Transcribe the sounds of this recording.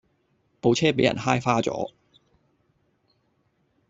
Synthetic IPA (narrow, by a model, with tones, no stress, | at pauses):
po˨˧wt͡sʰɛː˥pe˨˧˥jɐ̰˨˩nɦaː˥jfaː˥t͡sɔ̰ː˨˥